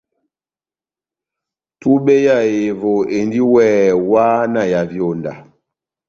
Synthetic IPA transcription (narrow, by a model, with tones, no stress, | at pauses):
tu˦ɓe˦ja˦˨je˨vo˨e˨ndi˦wɛː˦˨wa˦na˨ja˨vjo˨nda̰˨